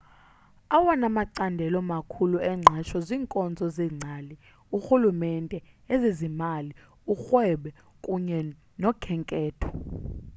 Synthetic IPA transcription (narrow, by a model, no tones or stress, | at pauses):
awanamaǀandʱɛlɔmakʰuluɛŋ͡ǀʱaʃɔziːŋkʼɔnd͡zʱɔzɛːŋ͡ǀʱali | uxulumɛntʼɛ | ezizimali | uxwɛɓɛ | kʼuɲɛ | nɔkʰɛŋkʼɛːtʰɔ̥